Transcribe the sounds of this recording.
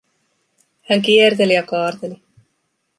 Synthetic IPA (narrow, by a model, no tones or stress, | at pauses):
hæŋkiert̪̬e̞lijɑkɑːɾt̪e̞li